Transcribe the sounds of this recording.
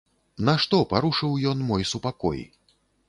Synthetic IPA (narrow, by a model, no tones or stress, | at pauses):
nɐʂt̪ɔpaɾuʂɨwjɔnmɔjsupakɔ̰j̰